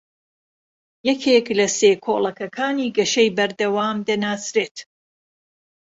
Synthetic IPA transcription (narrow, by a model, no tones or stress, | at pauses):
jɛkʰeklɐseːkʰoːlˠɐkɐkʰaːniːɡɐʃɐjbɐɾd̪ɐwaːmd̪ɐnaːsɾeːt̪